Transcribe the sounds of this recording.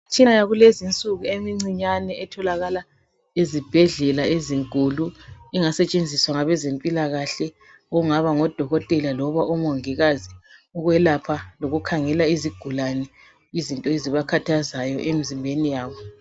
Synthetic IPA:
t͡ʃʰʼinajaɣulezint͡sʼuɣuemiŋ͡ǀiɲanɛʔɛtʰɔlaɣala | ezib̥ʱɛɮɛlaeziŋkʼuluiŋasɛt͡ʃʼend͡zʱiswaŋaβɛzempʼilaɣaɬɛ | ɔuŋaβaŋɔd̥ʱɔɣɔtʼɛlalɔβaʔɔmoŋiɣaziɔɣwɛlapʰaloɣukʰaŋɛlaiziɡ̥ʱulanɛ | izintʼɔeziβakʰatʰazajɔ̰ʔemizimbʱenijaːβɔ

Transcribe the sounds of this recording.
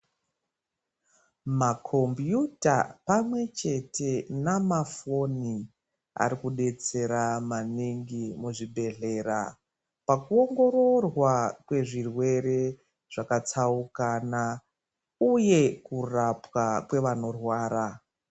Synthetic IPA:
makʰo̞mbjuta̰pamwe̞t͡ʃe̞te̞namafo̞ni | a̰ɾikuɗe̞t͡se̞ɾamaniŋɡimuʐibʱe̞ɮe̞ɾa̰ | pakuo̞ŋɡo̞ɾo̞rwakwe̞ʐirwe̞ɾe | ʐ̥akat͡saukana | uje̞kurapwakwe̞ʋano̞rwaːɾa

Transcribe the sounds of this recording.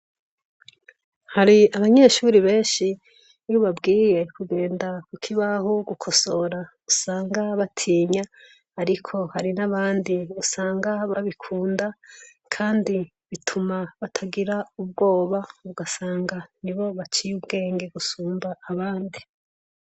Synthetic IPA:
haɾiaβaɲe̞ːʃuɾiβe̞ːnʃi | njuβabɡiːje̞kuɡe̞ːndakukʰiβahoɡukʰo̞so̞ɾa | usaːŋɡaβatʰiːɲaː | ɾikʰo̞haɾinaβaːndiusaːŋɡaβaβikʰuːndakʰaːndi | βitʰumaβatʰaɡiɾaub̚ɡo̞ːβauɡasaːŋɡaniβo̞βat͡ʃijubɡe̞ːŋɡe̞ɡusuːmbaːβaːndi

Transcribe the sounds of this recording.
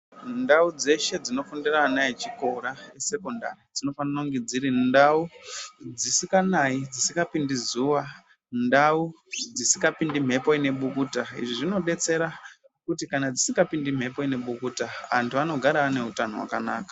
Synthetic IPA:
ndaud͡ze̞ʃe̞d͡zino̞funderanait͡ʃiko̞ɾaese̞ko̞nda̰rid͡zino̞fananoŋɡed͡ziɾindaud͡zisikanaid͡zisikapindizuwa | ndau | d͡zisikapindim̤ʱe̞poine̞ɓukuːtaḭʐiʐino̞ɗe̞t͡se̞ɾa | kutikanad͡zisiŋɡapindim̤ʱe̞poine̞ɓukuːtaʋa̰ntuʋano̞ɡʱaɾaane̞utano̰wa̰kanaːkḁ

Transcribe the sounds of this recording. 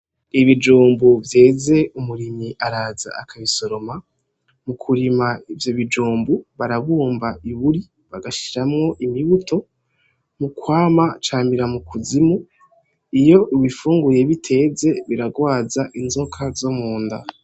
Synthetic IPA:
iβid͡ʒuːmbuvje̞ːze̞ʔumuɾimiʔaɾaːza̰akʰaβiso̞ɾo̞ma | mukʰuɾimaivjoβid͡ʒuːmbuβaɾaβuːmbaiβuɾi | βaɡaʃi̥ɾamŋo̞ʔimiβutʰo̞ | mukwaːmat͡ʃaːmiɾamukʰuzimu | ijo̞ʔiβifuːŋɡuje̞βitʰe̞ze̞βiɾaɡwaːzaʔinzo̞kʰazomuːnda̰

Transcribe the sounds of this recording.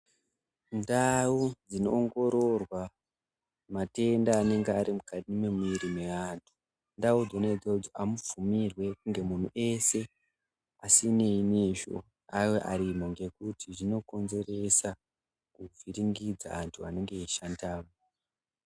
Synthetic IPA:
ndaud͡zino̞̰ːŋɡo̞ɾo̞rwa | mate̞ndaːne̞ŋɡeaɾimukatime̞muiɾime̞ʋantʰu̥ | ndaud͡zoned͡zod͡zoʔamufumirwe̞kŋɡe̞mun̤uʔe̞se̞ | asine̞iniʃo̰ | ajoʔaɾimo̞ŋɡe̞kutʰiʐino̞ko̞nze̞re̞sa | kuviɾiŋɡid͡za̰antʰua̰ne̞ŋɡe̞iʃandaːmo

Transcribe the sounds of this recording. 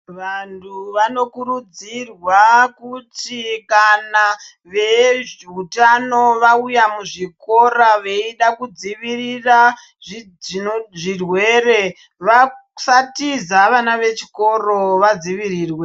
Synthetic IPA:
ʋantʰuʋano̞kuɾud͡zirwakutikana | ʋe̞ʐiutano̞ʋaujamuʐiko̞raʋe̞iɗakud͡ziʋirira | ʐ | ʐirwe̞re̞ | ʋasatizaʋanaʋe̞t͡ʃi̥ko̞ro̞ʋad͡ziʋiriːrwe̞

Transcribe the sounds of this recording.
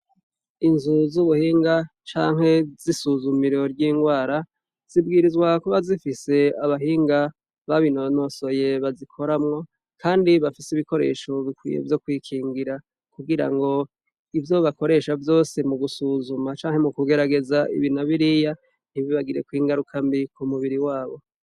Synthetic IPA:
inzuzuβuhiːŋɡat͡ʃaːŋ̥he̞zisuzumiɾo̞ɾɟiːŋɡwaːɾa | z̥ib̚ɡiːɾizɡwakoβazifise̞aβaɦiːŋɡa | βaβinono̞so̞je̞βazikʰo̞ɾamŋo̞ | kʰaːndiβafiseiβiko̞ɾe̞̰ːʃo̞βikwḭje̞̰vjo̞kwiːkʰiːŋɡiɾa | kuɡiɾa̰ŋɡo̞ | ivjo̞βako̞ɾe̞ʃavjo̞ːsemuɡusuzumat͡ʃaːŋhe̞mukuɡe̞ɾaɡe̞zaʔḭβinaβiɾija | niβiβaɡiɾe̞kwiːŋɡaɾukʰambikumuβiɾiwaːβo̞

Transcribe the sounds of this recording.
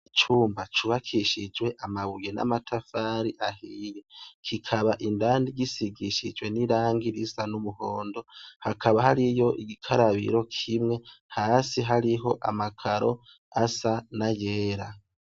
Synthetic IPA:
t͡ʃuːmbat͡ʃuβakʰiʃid͡ʒwe̞ʔamaβujena̰matʰafaːɾiʔahiːjekʰikʰaβaʔindaːndiɡisiɡiʃid͡ʒwe̞niɾaːŋɡiɾisanumuho̞ːndo̞hakʰaβahaɾijo̞ʔiɡikʰaɾaβḭɾo̞kʰimŋe̞haːsiɦaɾiɦo̞ʔamakʰaɾo̞ | asanajeːɾa

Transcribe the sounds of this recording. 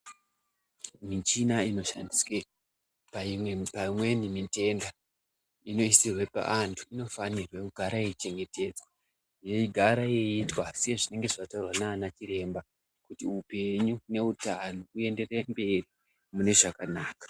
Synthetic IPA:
mit͡ʃinaino̞ʃandiswe | papaimwe̞nimite̞nda | ino̞isirwe̞pa̰ʔantʰuino̞fanirwe̞kuɡʱaɾaeit͡ʃe̞ŋɡe̞te̞d͡za | jeiɡʱaɾajeitwasejeʐine̞ŋɡe̞ʐaktaurwanaːnat͡ʃiɾe̞mba | kutiupe̞ɲune̞utano̞ue̞nde̞re̞mbe̞ri | mune̞ʐakanaːkḁ

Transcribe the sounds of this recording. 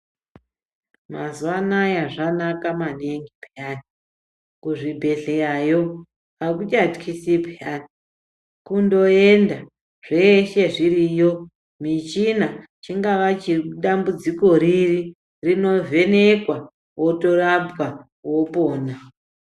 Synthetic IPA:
mazuwanajaʐanakamaneŋɡipʰjani | kuʐibʱe̞ɮejajo̞ | akut͡ʃatkʰisipjani | kundo̞enda | ʐ̥e̞ʃe̞ʐirijo̞ | mit͡ʃina | t͡ʃiŋɡaʋat͡ʃiuɗambud͡ziko̞ɾiri | rino̞vʱe̞ne̞kwa | wo̞to̞rabwa | wo̞poːna

